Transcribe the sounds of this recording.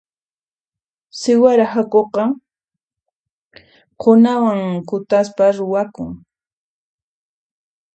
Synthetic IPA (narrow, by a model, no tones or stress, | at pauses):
sɪwaɾahakoqɑ | qʰonawaŋkʊt̪aspaɾʊwakʊŋ